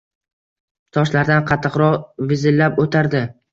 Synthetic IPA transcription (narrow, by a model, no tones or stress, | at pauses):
t̪ʰɒʃlaɾd̪anqʰɑt̪ʰːɨqɾɒʁvɪzɪlːapot̪ʰaɾd̪ɪ